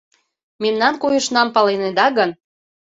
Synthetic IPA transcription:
memnɑnkojɤ̆ʃnɑmpɑlened̪ɑɣən

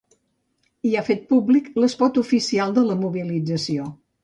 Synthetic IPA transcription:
iafet̪̚publikləspɔt̪ufisialˠd̪ələmuβilid͡zəsio

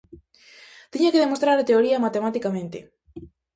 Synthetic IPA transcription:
t̪iɲakeðemost̪ɾaɾat̪eoɾiɐmat̪emat̪ikamẽnt̪ɪ̰

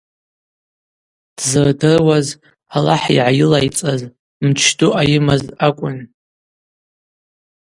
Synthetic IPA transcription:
d̥zɨrdɨrwaz | alaħiʕajɪlajt͡sʼaz | mt͡ʃʰtʼuʔajɪmazakʷʼʊn

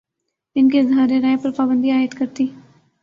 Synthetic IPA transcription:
ɪnkeːɪzɦaːɾeɾaːepəɾpaːbənd̪iːaːjɪət̪kəɾt̪iː

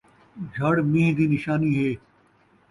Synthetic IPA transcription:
d͡ʒʱɐɽmĩːɦd̪iːnɪʃaːniːɦeː

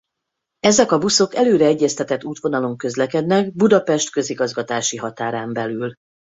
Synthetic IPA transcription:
ɛzɛkɒbuso̞kɛløːɾɛɛɟːɛst̪ɛt̪ɛt̪ːuːt̪ʋo̞nɒlo̞ŋkø̞zlɛkɛd̪nɛɡbud̪ɒpɛʃt̪kø̞ziɡɒzɡɒt̪aːʃiɦɒt̪aːɾaːmbɛlyl

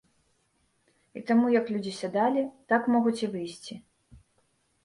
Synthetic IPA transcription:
ḭt̪amujɐklʲud͡zʲisʲad̪alʲit̪akmɔɣut͡sʲivɨjsʲt͡sʲi

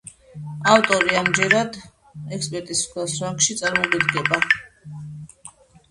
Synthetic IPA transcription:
aft̪ʼɔɾiamd͡ʒɛɾad̪ | ɛkspʼɛɾt̪ʼisʰwɛlˠsɾaŋkʃit̪sʼaɾmɔɡʼid̪ɡɛba

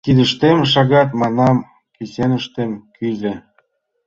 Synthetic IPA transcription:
t̪id̪ə̆ʃt̪emʃɑɣɑt̪mɑnɑm | kisenə̆ʃt̪emkyzʲĕ

